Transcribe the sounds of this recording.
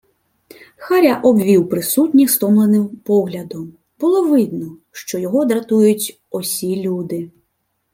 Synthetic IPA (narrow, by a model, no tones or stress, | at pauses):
xaɾʲaʔɔbʲʋʲiwpɾɪsut̪ʲnʲist̪ɔmlˠɐnɪmpɔɣlʲɐd̪ɔm | b̥ulˠɔʋɪd̪nɔʃt͡ʃɔjɔɣɔd̪ɾat̪ujʊt͡sʲ | ɔsʲilʲud̪ɪ